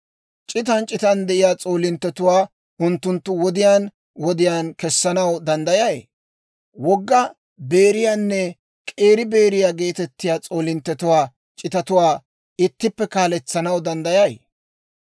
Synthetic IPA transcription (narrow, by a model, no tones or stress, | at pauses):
t͡ʃʼɪt̪ɐnt͡ʃʼɪt̪ɐnd̪ɛʔɪjaːt͡sʼoːlɪnt̪ːɛt̪ʊwaː | ʊnt̪ːʊnt̪ːʊwɔd̪ɪjaːn | wɔd̪ɪjaːnkɛsːɐnɐwd̪ɐnd̪ɐjɐjḛ | wɔɡːɐ | be̞ːɾɪjaːnːɛ | kʼe̞ːɾɪbe̞ːɾɪjaːɡe̞ːt̪ɛt̪ːɪjaːt͡sʼo̞ːlɪnt̪ːɛt̪ʊwaː | t͡ʃʼɪt̪ɐt̪ʊwaː | ɪt̪ːɪpːɛkaːlɛt͡sːɐnɐwd̪ɐnd̪ɐjɐj